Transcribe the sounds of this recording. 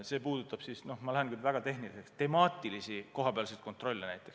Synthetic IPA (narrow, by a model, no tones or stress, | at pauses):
se̞ːpuːd̪ut̪ːˑɑb̥sisno̞hmɑlæɦenkylvæɡ̥ɑt̪e̞hnilise̞kst̪e̞mɑːt̪ˑilisiko̞ɦɑpe̞ɑlsejt̪kont̪ˑro̞lʲːenæjt̪ˑːe̞ks